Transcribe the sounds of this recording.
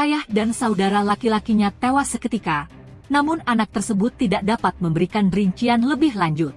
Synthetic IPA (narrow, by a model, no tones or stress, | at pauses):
ʔajahdansaudaɾalakilakiɲat̪ewasːəkət̪ika | namʊnanak̚t̪ərsəbʊt̪ːidaʔdapat̪̚məmbəɾikanriɲt͡ʃianləbɪhlaɲd͡ʒʊt̪̚